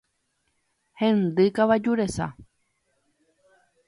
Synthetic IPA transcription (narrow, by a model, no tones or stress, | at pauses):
hẽnd̪ɨkaʋad͡ʒuɾesa̰